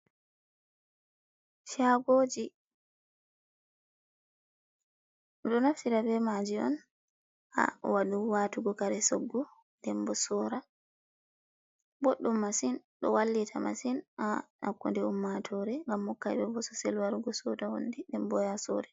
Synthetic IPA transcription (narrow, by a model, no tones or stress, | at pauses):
ʃaɡoːd͡ʒi | ɗɔnaftiɾabɛmad͡ʒiɔ̰n | ʔa̰waɗuwatuɡɔkaɾɛsɔɡːɔ | dɛmbɔsɔːɾa | boɗːumːasin | ɗɔ̰walːitʰama̰sinana̰kːṵndɛumːatʰɔɾɛŋɡamːɔkːabɛbɔsɔ̥sɛlwaɾuɡɔsɔdaho̰ndɛɗɛmbɔjasɔ̰ɾɛ